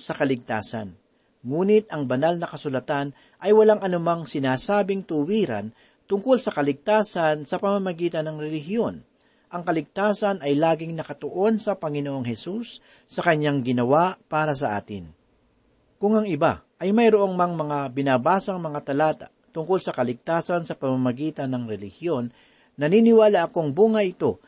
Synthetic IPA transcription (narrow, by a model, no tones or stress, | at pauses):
sɐkɐlɪɡ̚t̪a̰ːsɐ̰n | ŋuːnɪt̪̚ɐŋbɐnalnɐkɐsʊlɐt̪an | ʔɐjwɐlaŋɐnʊmaŋsɪnaːsaːbɪŋt̪ʊwiːɾɐ̰n | t̪ʊŋkolsɐkɐlɪɡ̚t̪aːsɐnsɐpɐmɐmɐɡiːt̪ɐnɐŋɾɛlɪɦɪjo̞n | ʔɐŋkɐlɪɡ̚t̪aːsɐnɐjlaːɡɪŋnɐkɐt̪oʔo̞nsɐpɐŋɪnoʔoŋhɛsusː | ɐkɐɲːaŋɡɪnɐwaʔpaːɾɐs̬ɐʔa̰ːt̪ɪ̰n | kʊŋɐŋɪba̰ʔɐjmɐjɾoʔo̞ŋmɐŋmɐŋabɪnaːbaːsɐŋmɐŋat̪ɐlaːt̪a̰ʔt̪ʊŋko̞lsɐkɐlɪɡ̚t̪aːsɐnsɐpɐmamɐɡiːt̪ɐnɐŋɾɛlɪhjo̞nː | ɐniːnɪwaːlaʔɐkoŋbuŋɐʔɪt̪o̞